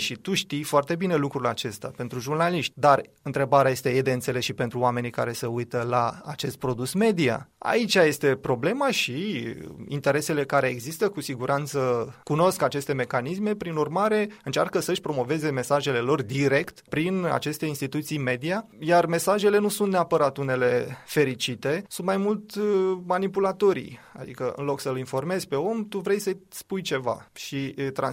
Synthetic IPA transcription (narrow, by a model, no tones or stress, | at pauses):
ʃit̪uʃt̪ijfoart̪e̞bine̞lukɾulat͡ʃe̞st̪a̰pe̞nt̪ɾuʒurnaliʃt̪ʲd̪arɨnt̪ɾe̞baɾeaje̞st̪e̞jed̪e̞ɨnt̪se̞le̞sʃipe̞nt̪ɾuoame̞nikaɾe̞seujt̪əlaa̰t͡ʃe̞st̪̚pɾo̞d̪usme̞d̪ia̰a̰it͡ʃʲaje̞st̪e̞pɾo̞ble̞maʃi | ḭnt̪e̞ɾe̞se̞le̞kaɾe̞ːɡzist̪əkusiɡuɾant̪səkuno̞skat͡ʃe̞st̪e̞me̞kanisme̞pɾinurmaɾe̞ɨnt͡ʃa̰rkəsəʃʲpɾo̞mo̞ve̞ze̞me̞saʒe̞le̞lo̞rd̪iɾe̞kt̪pɾina̰t͡ʃe̞st̪e̞inst̪it̪ut̪sijme̞d̪ia | jarme̞saʒe̞le̞nusunt̪ne̞apəɾat̪une̞le̞fe̞ɾit͡ʃit̪e̞sunt̪majmult̪manipulat̪o̞ɾḭ | a̰d̪ḭkəɨ̰nlo̞ksəlinfo̞rme̞zʲpe̞o̞mt̪uvɾejsəspujt͡ʃe̞va̰ʃit̪ɾa